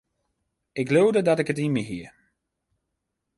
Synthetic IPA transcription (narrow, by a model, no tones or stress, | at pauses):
ɪklowdədɔtɪkət̬imiɦiə